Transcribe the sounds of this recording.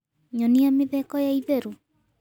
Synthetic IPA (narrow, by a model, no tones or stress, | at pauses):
ɲɔniameðɛkɔjaiðɛɾu